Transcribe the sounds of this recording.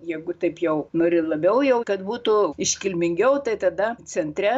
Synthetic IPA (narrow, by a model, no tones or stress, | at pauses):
jɛɪɡʊt̪ɐɪpjɛʊnoːɾʲɪlˠɐbʲɛʊjɛʊkɐt̪buːt̪uɪʃʲkʲɪlʲmʲɪŋʲɡʲɛʊt̪ɐɪt̪ɐd̪ɐt͡sʲɛnʲt̪ʲɾʲɛ